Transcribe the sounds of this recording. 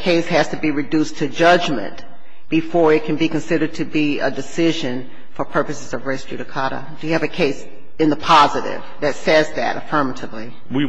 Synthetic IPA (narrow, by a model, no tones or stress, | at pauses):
kʰeɪshɨz̥tɨbiɹɨdʉstʰɨd͡ʒʌd͡ʒmɨ̰̃n | b̥ɨfɔɹɨt̚kʰn̩bikɨ̃nsɪɾə˞d̚tʰɨbiə̰dɨsɪʒɨ̃n | fə˞pʰɜ˞pɨsɨzʌvɹɛɪskɹ̥ʉɾɨkʰɑɾə̰d̥ɨjɨɨvɨkʰeɪs | ɨ̃nðəpʰɑzɨɾɪ̰vðɨtsɛzðɨ̰ɾəfɜ̃˞mɨɾɨvli | wi